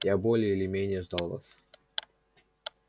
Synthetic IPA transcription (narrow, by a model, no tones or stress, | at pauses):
jabolʲɪjəilʲɪmʲenʲɪjəʐd̪ɑlˠva̰s